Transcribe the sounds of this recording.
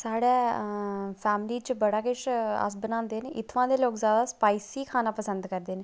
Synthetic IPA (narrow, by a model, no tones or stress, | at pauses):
saːɽeː | pʰɛːmliːt͡ʃəbəɽaːkɪʃə̰s̬bənãːnd̪eːneːʔɪt̪ʰʋãːd̪eːloːkzjaːd̪aːspaːisiːkʰaːnaːpəsə̃nd̪kəɾd̪eːneː